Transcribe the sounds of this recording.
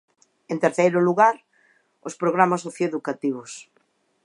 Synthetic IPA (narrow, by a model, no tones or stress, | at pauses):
ent̪eɾθejɾʊluɣaɾ | ospɾoɣ̞ɾamasoθjoeðukat̪iβ̞os